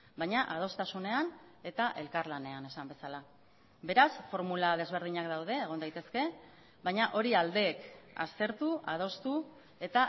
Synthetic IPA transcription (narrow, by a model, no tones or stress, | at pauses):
bajɲaʔað̞o̞st̪asune̞ane̞t̪aʔe̞lkaɾlane̞ane̞sambe̞sala | βe̞ɾasfo̞ɾmulað̞e̞zβ̞e̞ɾð̞iɲak̚d̪awð̞e̞ːɣ̞o̞nd̪ajt̪e̞ske̞ | βajɲaʔo̞ɾiald̪e̞ːka̰st̪e̞ɾt̪uʔað̞o̞st̪u | e̞t̪a